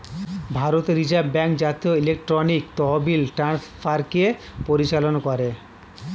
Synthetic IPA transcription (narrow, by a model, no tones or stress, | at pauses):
bʱaɾot̪eɾid͡ʑabbɛŋkd͡ʑat̪ioilek̚ʈɾonikt̪ɔɦobilʈɾanspʰaɾkiepoɾit͡ɕalonkɔɾe